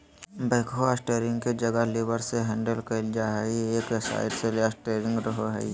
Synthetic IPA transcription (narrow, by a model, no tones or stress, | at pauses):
bəːkʰoasʈeːɾɪ̃ŋɡ̚ked͡ʒɐɡəleːbəɾseɦɛ̃ːɳɖəlkɐld͡ʒaɦɛieːkjəsa̰ːɪʈseleaːsʈeːɾɪ̃ŋɡɾəɦoɦɛ̰